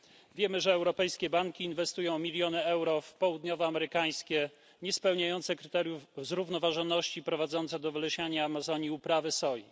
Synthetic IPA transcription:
vʲjɛmɘʐɛːwɾɔpɛjskʲɛbaŋkʲiːnvɛst̪ujɔ̃w̃mʲilʲjɔnɘɛwɾɔfpɔwud̪ɲɔvɔamɛɾɘkaj̃skʲɛ | ɲɛspɛwɲajɔnt̪sɛkɾɘt̪ɛɾjuvzɾuvn̪ɔvaʐɔnːɔɕt͡ɕipɾɔvad̪zɔnt̪sɛd̪ɔvlɛɕaɲaːmazɔɲiupɾavɘsɔji

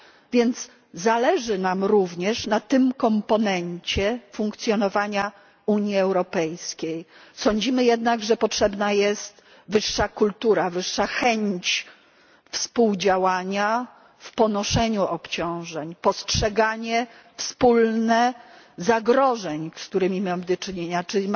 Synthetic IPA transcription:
vʲjɛnd̪z | zalɛʐɘnamɾuvɲɛʂnat̪ɘmkɔmpɔnɛɲt͡ɕɛfuŋkt̪sʲjɔnɔvaɲa | uɲjiɛwɾɔpɛjskʲejsɔɲd͡ʑimɘjɛd̪naɡʐɛpɔtʂɛbnajɛst̪ | vɘʂːakult̪uɾavɘʂːaxɛɲt͡ɕ | fspuwd͡ʑawaɲa | fpɔnɔʂɛɲuɔpt͡ɕɔ̃w̃ʐɛɲpɔstʂɛɡaɲɛ | fspulnɛ | zaɡɾɔʐɛɲsk̚t̪uɾɘmʲimamd̪ɔt͡ʂɘɲeɲat͡ʂɘ

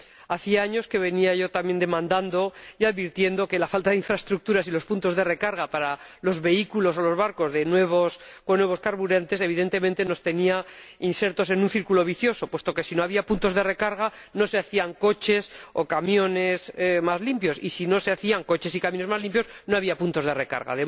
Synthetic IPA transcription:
aθiaaɲo̞ske̞β̞e̞niaʝo̞t̪amje̞nd̪e̞mãnd̪and̪o̞jaðβiɾt̪je̞nd̪o̞ke̞lafalt̪aðeiɱfɾaest̪ɾuk̚t̪uɾasilo̞spunt̪o̞zðe̞rekaɾɣ̞apaɾalo̞zβe̞ikulo̞so̞lo̞zβaɾko̞zðe̞nwe̞βoskonwe̞β̞o̞skaɾβuɾant̪e̞se̞βiðe̞nt̪e̞mẽnt̪e̞no̞st̪e̞niainse̞ɾt̪o̞se̞nũnθiɾkulo̞βiθjo̞so̞pwe̞st̪o̞ke̞sino̞aβiapunt̪o̞zðe̞re̞kaɾɣ̞a | no̞se̞aθiaŋko̞t͡ʃe̞so̞̰kamjo̞ne̞smazlimpjo̞sḭsino̞se̞aθiaŋko̞t͡ʃe̞sikamjo̞ne̞zmazlĩmpjo̞sno̞aβ̞iapunt̪o̞zð̞e̞re̞ka̰ɾɣa̰ðe

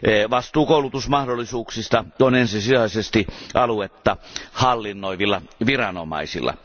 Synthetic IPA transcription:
ʋɑst̪ˑuːkoulut̪usmɑhdolːˑisuːksist̪ɑonensisiɑisest̪iʔɑluet̪ːɑhɑlːinːoiʋilːɑʋirɑnomɑ̰isḭlːɑ̰

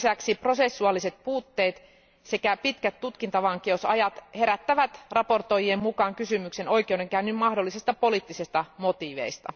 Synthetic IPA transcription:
sæksipro̞se̞sːuɑlːise̞t̪̚puːt̪ːeːt̪ | se̞kæpit̪kæt̪tːut̪kint̪ɑʋɑŋk̟eosɑ̰jɑt̪he̞ɾæt̪ːæʋæt̪rɑpo̞rt̪o̞jiemmukɑːŋkysymykse̞no̞jk̟ewdeŋkæynːymmɑhdo̞lːisest̪ɑpo̞liːˑt̪ːisest̪ɑmo̞t̪iːʋe̞̰ist̪ɑ̰

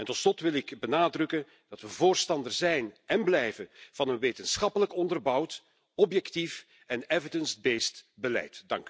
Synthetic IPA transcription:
ɛntɔtslɔtʋɪlɪkbənaːdrɵkən | d̥ɑtʋəvoːrstɑndərzɛjnɛnblɛjvənv̥ɑnənʋeːtənsxɑpələkɔndərbɑwt | ɔpjɛktif | ɛnɛvədənsbeːstbəlɛ̰jtdɑ̰ŋk

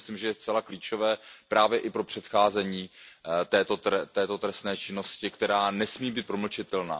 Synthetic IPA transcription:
slimʒɛjɛst͡sɛlakliːt͡ʃo̞vɛːpɾaːvjɛʔɪpɾo̞pr̥ɛt̪xaːzɛɲiːt̪ɛːt̪ot̪ɛt̪ɛːt̪o̞t̪ɾɛstnɛːt͡ʃɪno̞scɪkt̪ɛɾaːnɛsmiːbiːt̪̚pɾoml̩t͡ʃɪt̪ɛlna̰ː

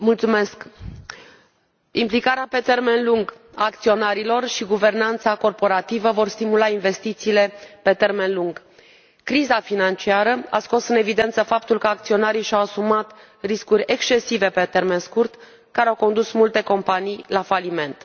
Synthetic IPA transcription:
mult̪sume̞sk | implikaɾeape̞t̪e̞rme̞nluŋɡ | a̰ːkt̪sio̞naɾilo̞rʃiɡuve̞rnant̪sako̞rpo̞ɾat̪ivəvo̞rst̪imulainve̞st̪it̪siːle̞pe̞t̪e̞rme̞nluŋɡ | kɾizafinant͡ʃiaɾəa̰sko̞sɨne̞vid̪e̞nt̪səfap̚t̪ulkəak̚t̪sio̞naɾijʃawasumat̪ | riskurʲe̞kst͡ʃe̞sive̞pe̞t̪e̞rme̞nskurt̪ | kaɾeawko̞nd̪usmult̪e̞ko̞mpanijlafalime̞nt̪

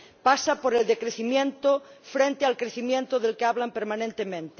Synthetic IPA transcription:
pasapoɾeld̪ekɾeθimjẽnt̪ofɾent̪ealkɾeθimjẽnt̪oðelkeaβlampeɾmãnẽnt̪emẽnt̪e

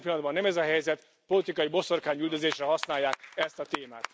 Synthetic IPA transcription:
pilːɒnd̪bɒnːɛmɛzɒɦɛjzɛt̪ | po̞lit̪ikɒjibo̞so̞rkaːɲyːld̪øzeːʃrɛɦɒsnaːjːaːkɛst̪ɒt̪eːma̰ːt̪

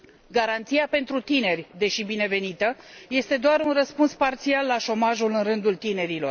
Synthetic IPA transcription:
ɡaɾant̪siape̞nt̪ɾut̪ine̞rʲd̪e̞ʃibine̞ve̞nit̪əje̞st̪e̞d̪oaɾunrəspunspart̪sialːaʃo̞maʒulɨnrɨnd̪ult̪ine̞ɾilo̞̰r

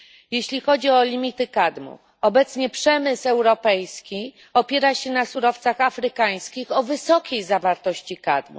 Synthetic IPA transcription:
jeɕlʲixɔd͡ʑiɔlʲimʲit̪ɘkad̪mṵ | ɔbɛt̪sɲɛpʂɛmɘsɛwɾɔpɛjskʲi | ɔpʲjɛɾaɕɛnasuɾɔft̪saxafɾɘkaj̃skʲixɔvɘsɔkʲʰejzavaɾt̪ɔɕt͡ɕika̰d̪mṵ

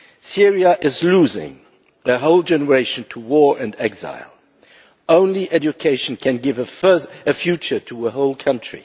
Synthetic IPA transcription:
sɪɹiəʔɪzluzɪ̰̃ŋ | ɨɦoʊlˠd͡ʒɛnə˞eɪʃɨ̃n̩tʰəwɔɹɨ̃ndɛɡz̥a̰ɪlˠ | õʊ̃nliʔɛd͡ʒɨkʰeɪʃn̩kʰɨ̃nɡɪvəfɜ˞ðɨfjʉt͡ʃə˞ɾʰəəɦoʊlˠkʰʌ̃nt͡ʃɹ̥ḭ

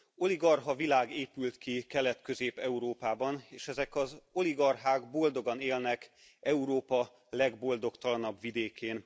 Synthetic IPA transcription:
o̞liɡɒrɦɒvilaːɡeːpylt̪kikɛlɛt̪kø̞zeːpɛuɾoːpaːbɒneːʃɛzɛkɒzo̞liɡɒrɦaːɡbo̞ld̪o̞ɡɒneːlnɛk | ɛuɾoːpɒ | lɛɡbo̞ld̪o̞kt̪ɒlɒnɒbʋid̪eːkʰeːn

